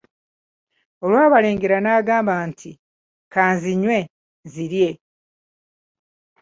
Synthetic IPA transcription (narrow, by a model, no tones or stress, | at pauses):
o̞lwaːβale̞ːŋɡe̞ɾanaːɡaːmbaːntʰi | kaːnziɲwe̞ | ziɾje̞